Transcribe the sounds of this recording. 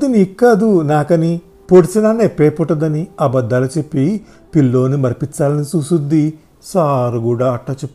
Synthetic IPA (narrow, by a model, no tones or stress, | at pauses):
ɐd̪iniːkːaːd̪unaːkɐni | poɽisinaːneːpeːpuʈːɐd̪ɐniɐbɐd̪ːɐlɐt͡ʃe̞pːi | pilːo̞ːnimɐɾpit͡ʃːaːlɐnisusud̪ːi | saːɾuɡuːɽaːɐʈːaːt͡ʃepː